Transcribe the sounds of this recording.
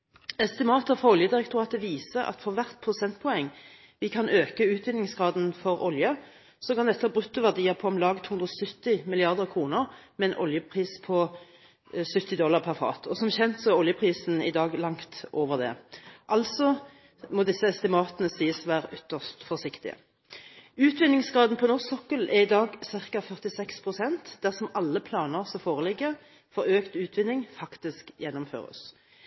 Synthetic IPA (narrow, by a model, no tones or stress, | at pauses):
ɛst̪ɪmɑːt̪əfʁɑɔljəd̪ɪʁɛkt̪ʰʊʁɑːt̪əʋiːsəʔɑ̰t̪fɔʁʋæʁt̪pʰʁʊsɛnt̪̚pʰɔɛŋː | ʋɪkʰɑnøːkəʉːt̪̚bɪlnɪŋsɡʁɑːd̪n̩fɔʁɔljə | sɔkɑnd̪ɛt̪ːəɑbʁʉt̪ːʊʋæʁd̪iːɑpʰɔɔmlɑːɡt̪hʉnd̪ʁɔsʏt̪ːɪmɪlɪɑʁd̪əʁkʰʁuːnəʁmɛɛnʔɔ̰ljəpʰʁiːspʰɔ | sʉt̪ːɪd̪ɔlːɑʁpʰæʁfɑ̰ːt̪ʰɔsɔmçɛnt̪sɔæʁɔljəpʰʁiːsn̩ɪ̰d̪ɑːɡlɑŋt̪ʔoːʋəʁd̪ɛ̰ʔɑlsɔ | mɔd̪ɪsːəɛst̪ɪmɑːt̪ənəsiːəsʋæːʁəʔʏt̪ːəʂt̪fɔsɪkt̪ɪ̰ə̰ | ʉːt̪ʋɪnːɪŋsɡʁɑːd̪n̩pʰɔnɔʁsɔkːəlɛʁɪd̪ɑːɡsɪʁkɑfœʁt̪ɪsɛkspʰʁʊsɛnt̪d̪æʁsɔmɑlːəpʰlɑːnəʁsɔfoːʁəlɪɡːə | fɔɾøːkt̪ʉːt̪ʰʋɪnːɪŋfɑkt̪ɪskjɛnːɔmfø̰ːʁə̰s